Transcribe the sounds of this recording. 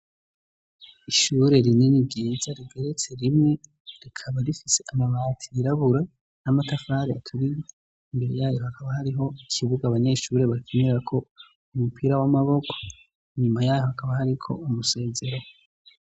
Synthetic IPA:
iʃuɾe̞ɾininibɡiːzaɾiɡe̞ɾe̞t͡se̞ɾimŋe̞ | ɾikʰaβaɾifise̞ʔamaβaːtʰiiɾaβuɾa | namatafaːɾiatʰuɾije | imbe̞ɾejaːjo̞ɦakʰaβahaɾiɦo̞ikʰiβuɡaβaɲe̞ʃuːɾe̞βakeneɾakʰo̞ | umupʰiːɾawamaβo̞kʰo̥ | iɲumajaːjo̞hakaβahaɾikʰo̞̰umuse̞ːze̞ɾo

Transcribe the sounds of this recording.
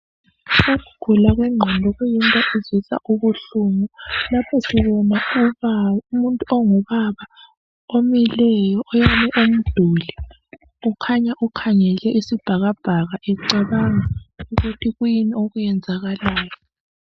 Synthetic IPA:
oɣuɡ̥ʱulaɣwɛŋ͡ǃʱɔndʱɔɣujintʼɔʔezisa̰ʔuβuɬuːmɔlapʰɔsiβɔnauumuntʼuɔŋɔβaβa | omilɛjɔʔːjanɛʔom̩d̥ʱuːli | ukʰaɲaʔukʰaŋɛlɛʔisib̥ʱaɣab̥ʱaɣaʔɛǀaβaŋauɣutʰiɣujinioɣujɛnd͡zʱaɣalaːjɔ

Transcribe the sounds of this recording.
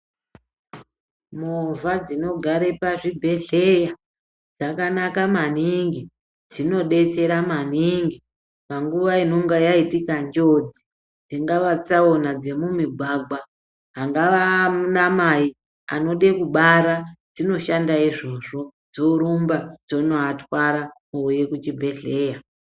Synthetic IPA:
movʱad͡zino̞ɡʱaɾepaʐibʱe̞ɮe̞ja | d͡zakanakaman̤iŋɡi | d͡zino̞ɗe̞t͡se̞ɾaman̤iŋɡi | paŋɡuʋaino̞ŋɡajaitikand͡ʒo̞d͡zi | d͡ziŋɡaʋat͡sao̞nad͡ze̞mumiɡʱaɡa | ɦaŋɡaʋamunamai | a̰no̞ɗekuɓaɾad͡zino̞ʃandaiʐo̞ʐo̞d͡zoɾumbad͡zo̞noatwaɾamuuje̞kut͡ʃibʱe̞ɮe̞ːja

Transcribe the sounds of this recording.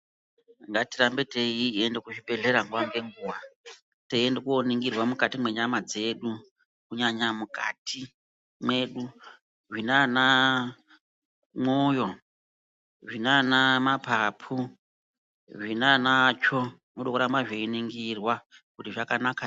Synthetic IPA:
ŋɡatiɾambeteiendekuʐibe̞ɮe̞ɾaŋɡuwaŋɡe̞ŋɡuːwa | teendekuoniŋɡirwamukatimwe̞ɲamad͡ze̞ɗu | kuɲaɲamukatʰi | mwe̞ɗu | ʐinana | mojo̞ | ʐinanamapʰapʰu | ʐinanat͡ʃo | noɗokuɾambaʐeiniŋɡirwakutiʐakanaka

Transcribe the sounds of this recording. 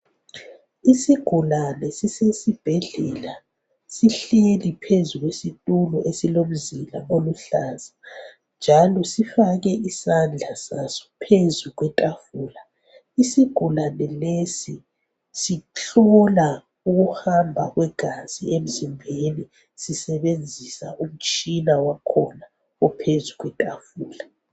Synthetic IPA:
isiɡ̥ʱulanɛsisesib̥ʱɛɮɛla | siɬelipʰezuɣwesitʼulɔʔesilom̩zila̰oluɬaːza | nd͡ʒʱalɔsifaɣɛʔisand͡ɮʱasasɔ̥pʰezuɣwɛtʼafuːla | isiɡ̥ʱulanɛlesi | siɬɔla | uɣuhambʱaɣwɛɡ̥ʱaz̥iem̩zimbʱeni | sisɛβend͡zʱisaʔum̩t͡ʃʼinawakʰɔna | ɔpʰezuɣwɛtʼafuːla

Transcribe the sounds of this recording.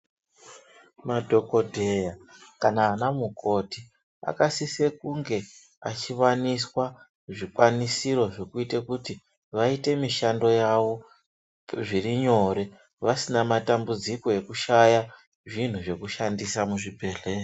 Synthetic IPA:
madʱo̞ko̞dʱejakanaːnamukʰo̞ti | a̰kasise̞kuŋɡe̞ | a̰t͡ʃiʋaniswa | ʐikwanisiɾo̞ʐe̞kuitekuti | ʋaite̞miʃando̞jaʋo̞ | ʐiriɲo̞ɾe̞ | ʋasinamatambud͡ziko̞e̞kuʃaja | ʐin̤uʐe̞kuʃandisamuʐibʱe̞ɮe̞ːro

